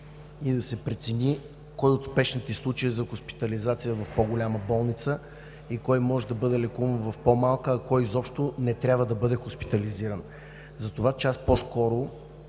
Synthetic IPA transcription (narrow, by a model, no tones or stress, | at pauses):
id̪ɐsɛpɾɛt̪sɛnʲi | kɔjot̪spɛʃnit̪islˠut͡ʃəizɐxʊspi̥t̪ɐlizat̪sijəvɐfpoɡʊlʲaməbɔlˠnit̪sə | ikɔjmɔʒɛd̪ɐbɤd̪ɛlɛkuvənvɐfpomalˠkəːkɔjzɔpʃt̪ʊnɛt̪ɾʲabvəd̪ɐbɤd̪ɛxʊspi̥t̪ɐliziɾən | zɐt̪ovat͡ʃɛasposkɔɾʊ